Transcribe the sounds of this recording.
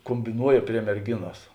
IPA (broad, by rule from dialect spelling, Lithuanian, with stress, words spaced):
koːmʲbʲɪˈnuɔjɛ pʲrʲiɛ mʲɛrʲˈɡʲɪnoːs